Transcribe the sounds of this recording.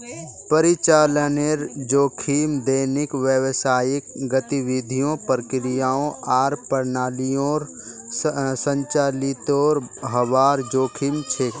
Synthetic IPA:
pəɾɪt͡ʃaːləneɾd͡ʒoːkʰiːmd̪eːnɪkʋjəʋsaːjɪkɡət̪iʋɪd̪ʱijõpəɾkɪɾɪjaːõaːɾpəɾnaːlijõːɾ | sə̃ɲt͡ʃaːlɪt̪oːɾɦəʋaːɾd͡ʒoːkʰimt͡ʃʰeː

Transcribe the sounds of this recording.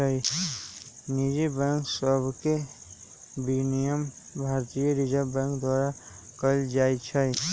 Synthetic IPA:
əi | nid͡ʒibɛ̃ŋksəbʱke | binijəm | bʱaːɾt̪ijəɾid͡ʒabɛ̃ːŋkd̪waːɾa | kəld͡ʒaːit͡ʃʰəj

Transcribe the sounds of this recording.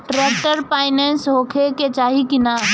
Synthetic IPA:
ʈɾɛːk̚ʈəɾpaːɪnɛ̃ːnsɦoːkʰeket͡ʃaːɦikina

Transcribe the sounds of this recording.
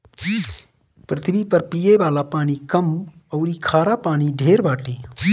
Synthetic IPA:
pɾət̪ʰbipɐɾpijeʋaːlapaːnikɐm | əʊɾiːkʰaːɾapaːniɖʱeːɾbaːʈʰiː

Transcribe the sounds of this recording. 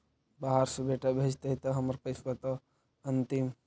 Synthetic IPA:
baɦaɾsubeːʈabʱed͡ʒt̪ɐɦit̪ɐɦɐmɐɾpɐjsbɐt̪ɐ | ɐnt̪im

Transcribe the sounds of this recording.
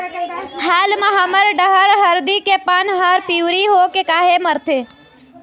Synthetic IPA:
haːlmãɦaməɾɖəɦəɾɦəɾd̪ikepaːnɦaːɾpiʋɾiɦokekaːɦeməɾt̪ʰeː

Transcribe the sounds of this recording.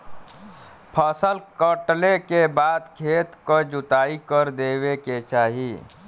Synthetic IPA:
pʰəsəlkəʈlekebaːd̪kʰeːt̪kod͡ʒʊt̪aːikəɾd̪eːweket͡ʃaːɦi

